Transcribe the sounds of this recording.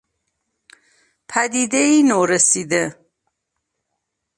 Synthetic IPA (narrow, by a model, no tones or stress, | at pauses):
pʰæd̪iːd̪eiːnoːɾesiːd̪e